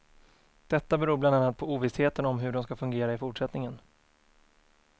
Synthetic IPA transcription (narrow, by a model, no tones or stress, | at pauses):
d̪̥ɛt̪ːabɛɾuːɾblananːat̪̚pʰɔuːvɪsheːt̪ənɔmɦɵɖɔmskafɵŋɡeːɾaɪfʊʈʂɛt̪nɪŋən